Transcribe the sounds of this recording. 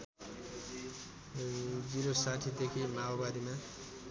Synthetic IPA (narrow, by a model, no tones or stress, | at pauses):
d͡ziɾosaʈʰid̪ekʰimaobad̪ima